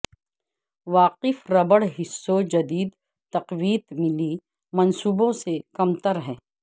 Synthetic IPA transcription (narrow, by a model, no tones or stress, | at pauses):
ʋaːqɪfɾɐbəɽɦɪsːod͡ʒɐd̪iːd̪ | t̪ɐqʋiːt̪mɪli | mɐnsuːbõsekɐmt̪əɾɦɛ̃ː